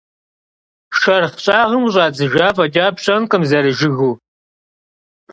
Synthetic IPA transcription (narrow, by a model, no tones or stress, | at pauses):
ʃɐrχɕʼaːʁəmʊɕʼaːd͡zɨʒaːfɐd͡ʒaːpɕʼɐnqʼɨmzɐɾɨʒɪɣuː